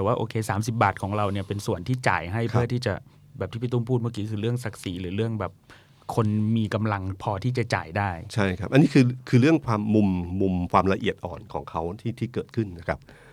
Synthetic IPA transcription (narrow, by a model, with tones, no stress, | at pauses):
t̪ɛː˨˩waː˥˩ʔoː˧kʰeː˧saː˩˦msi˨˩p̚baː˨˩kʰɔː˩˦ŋɾa˧wni˥˩ɐpe˧nsu˨˩ənt̪ʰiː˥˩t͡ɕa̰ː˨˩jɦa˥˩jpʰɯ˦˥˩ət̪ʰiː˥˩t͡ɕa˨˩ | bɛː˨˩pt̪ʰi˥˩pʰi˧˩t̪u˥˩ŋpʰu˥˩ma˥˩kiː˦˥kʰɯː˧ɾɯ˥˩əŋsa˨˩k̚siː˩˦lɯː˩˦ɾɯ˥˩əŋbɛː˨˩p̚ | kʰo˧nmiː˧ka˧mla˧ŋpʰɔː˧t̪ʰiː˥˩t͡ɕa˨˩t͡ɕa̰ː˨˩jdaː˥˩jt͡ɕʰa˥˩jkʰa˦˥p̚ʔa˧nːiː˦˥kʰɯː˧kʰɯː˧ɾɯ˥˩əŋkʰwaː˧mːu˧mːu˧mkʰwaː˧mla˧ʔi˨˩ət̪̚ʔɔ̰ː˨˩nkʰɔ̰ː˩˦ŋkʰa˦˥wt̪ʰiː˥˩t̪ʰiː˥˩kɤː˨˩t̪̚kʰɯ˥˩nna˦˥kʰa˦˥p̚